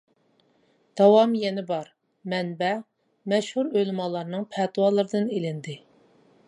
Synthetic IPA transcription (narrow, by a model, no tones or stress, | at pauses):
d̪̥ɑwɑmjɛnɪbɑɾ | mɛnbɛ | mɛʃhuɾølmɑlˠɑɾnɨŋpʰæt̪wɑlˠɨɾɨd̪ɨnelɪnd̪ɪ